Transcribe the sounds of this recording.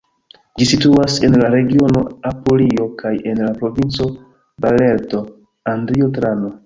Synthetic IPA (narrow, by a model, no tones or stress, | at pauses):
d͡ʒisituase̞nlaɾe̞ɡio̞no̞apolio̞kaje̞nlapɾo̞vint͡so̞ | bale̞ɾto̞ | andɾiotɾano̞